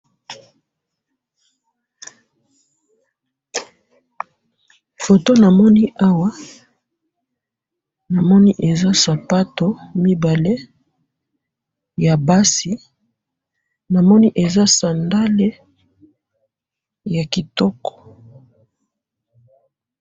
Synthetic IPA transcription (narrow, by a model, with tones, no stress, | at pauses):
fo˨to˦na˨mɔ˦ni˦ʔa˦wa˦ | na˨mɔ˦ni˦ʔe˨za˦sa˨pa˦to˦mi˦ba˨le˦ | ja˨ba˦si˨ | na˨mɔ˦ni˦ʔe˨za˦sa˨nda˦le˦ | ja˨ki˨tɔ˦kɔ̥˨